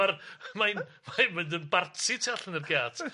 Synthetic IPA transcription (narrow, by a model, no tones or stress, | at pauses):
armajnmajnməndənbartʰɪtʰiaɬənərɡaːtʰ